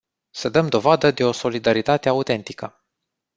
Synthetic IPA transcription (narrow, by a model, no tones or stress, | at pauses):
səd̪əmd̪o̞vad̪əd̪e̞o̞so̞lid̪aɾit̪at̪eaut̪e̞nt̪ikə